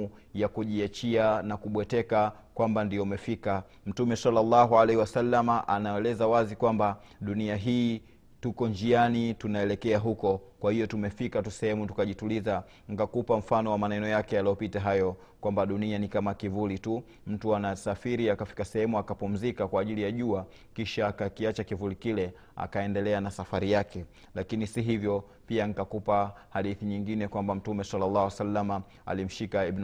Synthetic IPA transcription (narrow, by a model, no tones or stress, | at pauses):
jakuʄiat͡ʃianakuɓwɛtɛka | kwambandiɔumɛfika | m̩tumɛsalːalːaɦualɛhiwasalːamaʔanaɛlɛzawazikwamba | ɗuniaɦiː | tukɔnd͡ʒianitunaɛlɛkɛaɦukɔkwahijɔtumɛfikatusɛhɛmutukaʄituliza | ŋ̩kakupam̩fanɔwamanɛnɔjakɛjaliɔpitaɦajɔ | kwambaɗunianikamakivulitu | m̩tuanasafiɾiakafi̥kasɛhɛmuakapum̩zikakwaːʄilijaʄua | kiʃaːkakiat͡ʃakivulikilɛ | a̰kaɛndɛlɛanasafaɾijakɛ | lakinisiɦivjɔ | piaŋ̩kakupahaɗiθiɲiŋɡinɛkwambam̩tumɛsalːalːawasalːama | a̰lim̩ʃikaib